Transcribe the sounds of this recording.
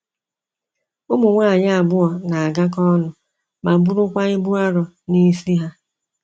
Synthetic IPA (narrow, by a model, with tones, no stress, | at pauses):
ʊ˦mʊ˨ŋʷaː˦˨ɲa˦a˨bʊ˦ɔ˨na˨a˨ɡa˦k̬ɔ˦nʊ˨ | ma˨bʊ˦ɾʊ˦kʷa˦ɪ˦bʊ˦a˦ɾɔ˨ | ni˦si˦ɦa˦